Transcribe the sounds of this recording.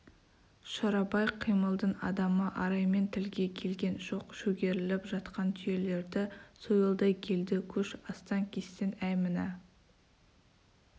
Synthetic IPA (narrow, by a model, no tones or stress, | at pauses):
ʃɑɾɑbɑjqʰːijməlˠd̪əɴɑd̪ɑməʔɑɾɑjme̞nt̪ʰɪlɡʲe̞kʲʰe̞lɡʲe̞nʒo̞qʃɵɡʲe̞ɾɪlɪpʒɑt̪qɑnt̪ʰʏje̞le̞ɾd̪ɪsojlˠd̪ɑjkʲʰe̞ld̪ɪkʲʰɵʃɑst̪ɑŋkʲʰe̞st̪enæjmɪnɪ